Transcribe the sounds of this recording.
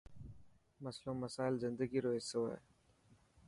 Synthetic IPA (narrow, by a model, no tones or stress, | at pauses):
məslõːməsaːɪlzɪ̃nd̪əɡiːɾoːɦɪsoːḛː